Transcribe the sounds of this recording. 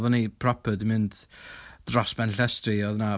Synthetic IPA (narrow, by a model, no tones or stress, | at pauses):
ðɔnipʰrɔpʰədimɨndd̥rɔsb̥ɛnɬɛstriɔðna